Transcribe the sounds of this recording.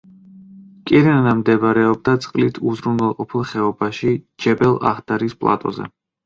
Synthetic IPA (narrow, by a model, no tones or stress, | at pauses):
kʼiɾɛnanamd̪ɛbɾɛɔb̚d̪at̪sʼqʼlit̪ʰuzɾunɛlˠqʼɔpʰilˠχɛɔbaʃid͡ʒɛbɛlˠa̰χd̪̥aɾispʼlˠa̰t̪ʼɔ̰zɛ̰